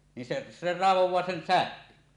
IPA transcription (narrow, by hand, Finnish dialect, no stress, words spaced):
nin se se rɑˑeʋowˑɑː sen sæhkøn